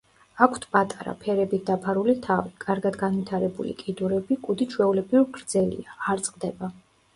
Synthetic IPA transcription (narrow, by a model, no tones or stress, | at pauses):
akʷʰt̪ʰpʼat̪ʼaɾa̰pʰɛɾɛbit̪̚ʰd̪̥apʰaɾulit̪ʰavikʼaɾɡad̪ɡanwit̪ʰaɾɛbṵlḭkʼid̪uɾɛbikʼud̪it͡ʃʰwɛulɛbɾiuɾɡɾd̪zɛlḭaːɾt̪sʼqʼd̪ɛba